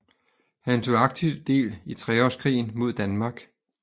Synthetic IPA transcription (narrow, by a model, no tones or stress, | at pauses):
hænt͡sʰo̝ɑ̈ɡ̥̚t͡sʰiʊd̥e̝̰ːlit͡sʰʁɛɒ̰skʰʁḭːn̩mo̝ð̞̰ˠd̥ænmɑ̈ɡ̥